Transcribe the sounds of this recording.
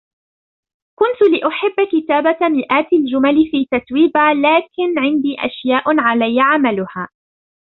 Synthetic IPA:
kʊnt̪lɪʔʊħɪbːkɪt̪aːbamɪʔaːt̪ald͡ʒʊmalɪfiːt̪at̪wiːbalaːkɪnʕɪnd̪iːʔa̰ʃjaːʔʕalajːaʕamalʊhaː

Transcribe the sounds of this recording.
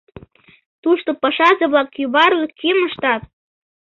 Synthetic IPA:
t̪uʃt̪opɑʃɑzɤβlˠɑkjuβɑɾlkʰiməʃt̪ɑt̪̚

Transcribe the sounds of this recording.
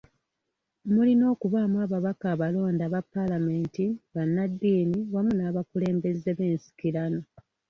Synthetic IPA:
mulino̞ːkuβaːmuaːβaβakaːβalo̞ːndaβapːalame̞ːntiβanːadːiːniwamunaːβakule̞ːmbe̞zeβe̞ːnsi̥kilano̞

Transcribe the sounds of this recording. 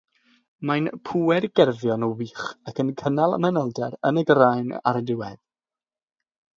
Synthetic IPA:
majnpʰuːɛrɡɛrvjɔnɔwiːχakənkʰənalˠa̰manəlˠdɛɾə̰nəɡrajna̰ɾədɪwɛð

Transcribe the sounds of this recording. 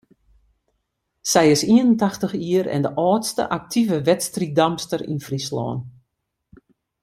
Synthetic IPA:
sɛjɪsiənəntaxtəxiərɛ̰ndəʔɔːtstə̰ʔak̚tʰivəʋɛtstridamstərḭnfrislɔ̰ːn

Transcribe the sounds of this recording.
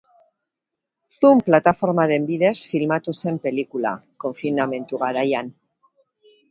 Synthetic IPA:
θumplat̪afo̞ɾmaðembiðe̞sfilmat̪use̞mpe̞likula̰koɱfinamẽ̞nt̪uɣaðajan

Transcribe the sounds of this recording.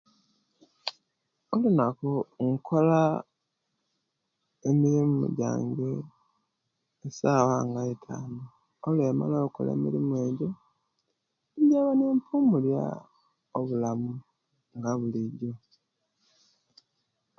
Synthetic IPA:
olunakoŋ̩kʰola | emiɾimumṵɟa̰ːŋɡe | saːwaŋɡaetʰa̰ːno | olweːma̰loːuko̰lḛːmḭɾimuwe̞ːɟo | iɲɟaβaneːmpumulja̰ | oβulamu | ŋɡaβuliɟo

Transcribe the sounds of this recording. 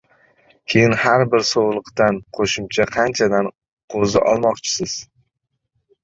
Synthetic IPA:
kʲʰe̞jɪnhaɾbɪɾsowlˠɨqt̪anqʰoʃɪmt͡ʃʰaqʰɑnt͡ʃʰad̪an | qʰozɪ̰ʔɒ̰lˠmɒqt͡ʃʰɪ̥sɪz̥

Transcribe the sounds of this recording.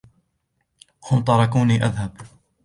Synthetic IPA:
hʊmt̪ˤɑɾˤɑkuːniːʔaðhab

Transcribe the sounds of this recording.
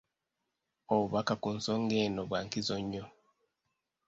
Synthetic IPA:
oβuβakakunsoŋɡeːnoβwaːŋkizoɲːo

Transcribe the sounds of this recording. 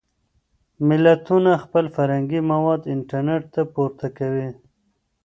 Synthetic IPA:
mɪlːat̪unaxpəlfaɾhaŋɡimawɑd̪ɪɳʈaɾneʈ̚t̪apuɾt̪akawi

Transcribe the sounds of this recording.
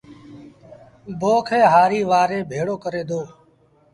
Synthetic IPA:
boːkʰeːɦaːɾiːʋaːɾeːbʱeːɽoːkəɾeːd̪oː

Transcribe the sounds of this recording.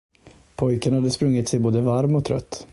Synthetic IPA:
pʰɔjkənhad̪ːəspɾɵŋːɪt̪sɛjboːd̪əvaɾmɔt̪ʰɾœ̰t̪ː

